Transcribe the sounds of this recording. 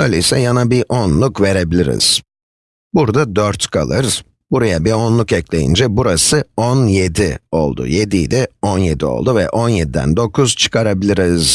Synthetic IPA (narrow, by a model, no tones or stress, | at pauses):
øjlʲeisɛjanabiʔonlˠukve̞ɾe̞bilʲiɾḭz̥ | buɾd̪ad̪øɾt̪kʰa̰lˠɯɾz | buɾajabiɾonlˠukɛclʲe̞̰jḭnd͡ʒɛbuɾasɯonjed̪io̞lˠd̪ṵjed̪ijd̪ʲɛonjed̪io̞̰lˠd̪uvɛʔo̞njed̪id̪æ̰nd̪o̞kʰuz̥t͡ʃʰɯ̥kʰaɾabilʲiɾiz̥